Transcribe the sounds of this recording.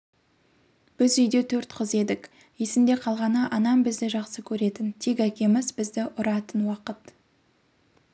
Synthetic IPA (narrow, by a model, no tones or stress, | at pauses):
b̥ɪzʏjd̪e̞t̪ʰɵɾt̪qʰəze̞d̪ɪk | je̞sɪmd̪e̞qʰɑlˠʁɑnəʔɑnɑmbɪzd̪ɪʒɑqsəkʲʰɵɾe̞t̪ɪnt̪ʰe̞kækʲe̞mɪzbɪzd̪ɪʔʊɾɑt̪ənwɑqət̪